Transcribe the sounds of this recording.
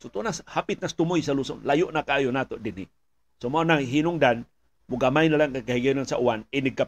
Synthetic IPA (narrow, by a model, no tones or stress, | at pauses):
sot̪unashapɪt̪̚nast̪ʊmojsaluso̰nlajʊʔnakaaːjonat̪oʔdɪni | somaonaŋɦinʊŋdan | mʊɡamajnalaŋkakaɦiɡenansaʔuanɪnɪɡ̚ka